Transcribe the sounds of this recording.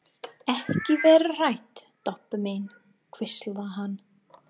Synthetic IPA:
ɛhcɪvɛːɾr̥ajt̪ːɔpmejn | kʰvɪslaɦanː

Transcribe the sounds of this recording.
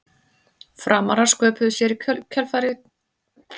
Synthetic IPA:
fɾaːmaɾaskœːpʏðʏsjɛɾikʰœcʰɛlfaːɾɪɣt̪

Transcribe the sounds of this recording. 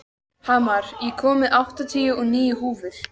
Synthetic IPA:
haːmaɾ̥jɛkʰɔːmɪʔawht̪at̪ʰiːjʏɔɣniːjʏhuːvʏɾ̥

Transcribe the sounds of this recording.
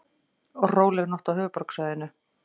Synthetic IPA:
ɔɣroːwlɛɣnɔht̪awhʏːvʏpɔɾksaːðɪnːʏ

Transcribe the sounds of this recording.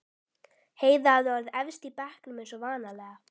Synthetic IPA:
heːjðaðvaɾðɛvst̪ipɛhklɪmɛnsɔvaːnalɛːɣa

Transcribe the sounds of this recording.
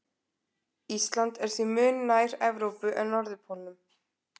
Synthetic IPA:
ist̪lant̪ɛɾ̥θvimʏːnnajɾɛvɾowpʏʔɛðnɔɾðʏpʰolnʏm

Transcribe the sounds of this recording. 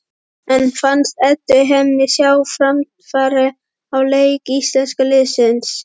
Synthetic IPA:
ɛ̃nfanst̪ɛt̪ɪɦɛmːɪsjawfɾamt̪ | faɾɪ | awlejkist̪lɛnskəlɪsɪns

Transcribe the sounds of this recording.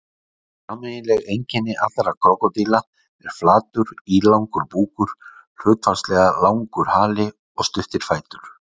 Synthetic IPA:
amɛnɪlɛɣejɲcɪnːɪʔa̰t̪aɾakʰɔkɔt̪iːla | ɛɾ̥flaːt̪ʏɾiːlawŋkʏɾpuːkʏɾ̥ | hʏːt̪fast̪lɛɣalaːwŋkʏɾ̥haːlɪ | ɔst̪ʏhft̪ɪɾ̥faːjt̪ʏɾ̥

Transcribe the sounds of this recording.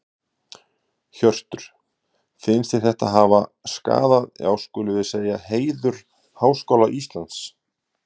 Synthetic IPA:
çœr̥t̪ʏɾ̥ | fɪnst̪ɪθɛht̪aɦaːvaska̰ːðaðja̰ːwskʏːlʏvɪðseːjaheːjðʏɾ̥ | haːwskoːwlaʔist̪lant̪s

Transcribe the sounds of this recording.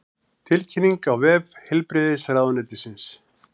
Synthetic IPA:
t̪ʰɪlcʰɪnːiŋkawvɛːvhɛlpɾɪðɪsɾaðnɛt̪ɪsɪns

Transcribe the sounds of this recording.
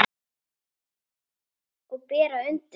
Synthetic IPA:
ɔɣpɛːɾaʏn̥t̪

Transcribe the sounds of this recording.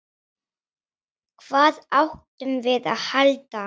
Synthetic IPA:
kʰv̥aːðawhkt̪ʏmvɪða̰ðhalt̪a

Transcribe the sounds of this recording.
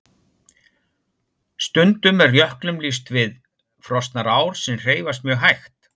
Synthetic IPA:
st̪ʏnt̪ʏmɛrrjœhklʏmlis̬t̪vɪð | fɾɔst̪naɾaːwɾ̥sɛmr̥eːjvast̪̚mjœːɣɦajxt̪

